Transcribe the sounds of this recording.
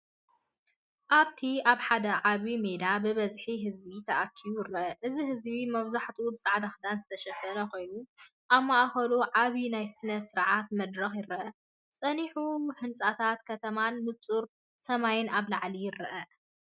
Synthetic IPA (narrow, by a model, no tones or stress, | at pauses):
ʔaβt̪ʰiʔaβħad̪ɐʕaβimed̪abɨβɐzħiɦɨzbit̪ʰɐʔakʰːijujɪɾɐʔɐʔɨziɦɨzβimɐβzaħt̪ʰʼubɨsʼaʕd̪axd̪anzɨt̪ʰɐʃɐfɐnɐko̞jnu | ʔaβmaʔaxɐluʕaβinajsɨnɐsɨɾʕat̪̚mɐd̪ɾɐxjɪɾɐʔɐ | sʼɐniħuhɨnt͡sʼat̪ʰat̪kʰɐt̪ʰɐmanmɨt͡sʼuɾ | sɐmajɪnaβlaʕlijɪɾɨʔɐ